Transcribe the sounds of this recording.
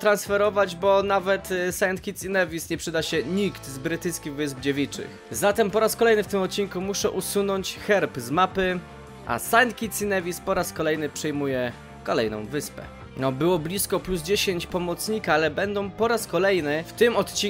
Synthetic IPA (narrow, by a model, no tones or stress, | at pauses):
t̪ɾansfɛɾɔvad͡ʑbɔnavɛt̪sant̪̚kʲit̪sinɛvʲisɲɛpʂɘd̪aɕɛɲikt̪zbɾɘt̪ɘjskʲiɣvɘzbd͡ʑevʲit͡ʂɘ̰xzat̪ɛmpɔɾaskɔlɛjnɘft̪ɘmɔt̪̚t͡ɕːiŋkumuʂɛʔusunɔɲt͡ɕxɛɾpzmapɘ | ʔa̰sajnt̪̚kʲit̪sinɛvʲispɔɾaskɔlɛjnɘpʂɛjmujɛ | kɔlɛjnɔ̰̃w̃vɘspɛ̰ | nɔbɘwɔblʲiskɔpluzd͡ʑeɕeɲt͡ɕpɔmɔt̪sɲikaalɛbɛnd̪ɔ̃w̃pɔɾaskɔlɛjnɘft̪ɘmɔt̪t͡ɕi